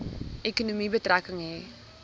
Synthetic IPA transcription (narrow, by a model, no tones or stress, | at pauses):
ʔekunumibətrækəŋɦe